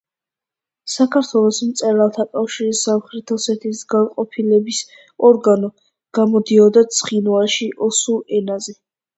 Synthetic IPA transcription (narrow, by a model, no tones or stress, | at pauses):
sakʰaɾt̪ʰwɛlˠɔsmt̪sʼɛɾalˠt̪ʰakʼafʃiɾisamχɾɛt̪ʰɛsɛt̪ʰisɡanqʼɔpʰilɛbis | ɔɾɡanɔ | ɡ̥amɔd̪iɔd̪at̪sʰχinwalˠʃiʔɔsuɛnazɛ